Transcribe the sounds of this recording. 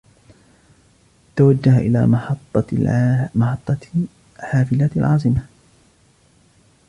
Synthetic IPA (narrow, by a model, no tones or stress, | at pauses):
t̪awad͡ʒːahaʔɪ̰la̰ːɑt̪ˤːɑ | mɑħɑt̪ˤːɑ | ħaːfɪlaːt̪alʕɑːs̬ˤɨma